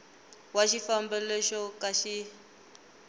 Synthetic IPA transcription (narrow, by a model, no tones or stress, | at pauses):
waʃifambɛlɛʃɔkʼaʃi